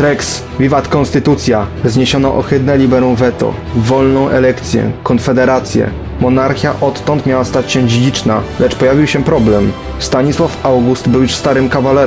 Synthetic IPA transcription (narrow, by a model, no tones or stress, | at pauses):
t̪ɾɛks | vʲivat̪kɔnst̪ɘt̪ut̪sʲjazɲeɕɔnaʔɔxɘd̪nɛlʲibɛɾũwvɛt̪ɔ̰ | vɔlnɔ̃w̃ʔɛlɛkt̪sʲjɛ̰kɔnfɛd̪ɛɾat̪sʲjɛ̰ | mɔnaɾxʲja̰ʔɔt̪ːɔnt̪mʲjawast̪at͡ɕɕɛd͡ʑid͡ʑit͡ʂnalɛt͡ʂpɔjavʲiwɕɛpɾɔblɛm | st̪aɲiswafawɡust̪bɘwjuʂst̪aɾɘmkavalɛɾ